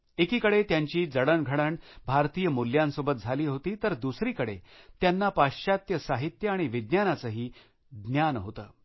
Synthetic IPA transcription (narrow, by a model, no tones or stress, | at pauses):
ekiːkəɽet̪jaɲt͡ɕiːd͡zəɽəɳɡʱəɽəɳbʱaɾt̪iːjəmuljãnsobət̪̚d͡zʱaliːɦot̪iːt̪əɾd̪usɾiːkəɽḛ | t̪janːapaɕat̪jəsaɦit̪jəaɽ̃iʋid̪njanat͡səɦiː | d̪njanɦot̪ə̰ː